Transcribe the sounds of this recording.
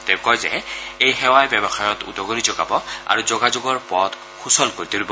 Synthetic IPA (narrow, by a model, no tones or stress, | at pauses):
tɛkɔjzɛ̰ejxɛwajbɛbɔxajɔtṵdɔɡonizɔɡa̰bɔa̰ɹuzɔɡazoɡɔɹpɔt | xusɔlkoɹit̪ilibɔ